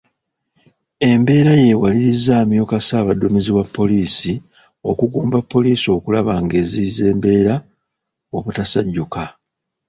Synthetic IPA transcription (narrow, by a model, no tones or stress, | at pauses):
e̞mbe̞ːɾaje̞waliɾizaːmjokasaːβadomiziwapʰːo̞liːsi | o̞kuɡuːmbapːo̞liːsio̞kulaβaŋɡe̞ːzize̞ːmbe̞ːɾa | o̞βutasaɟːuka